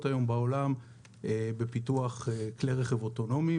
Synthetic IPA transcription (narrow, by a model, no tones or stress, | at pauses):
tajo̞mbaolam | ebe̞pituaχekleʁeχevoto̞no̞mi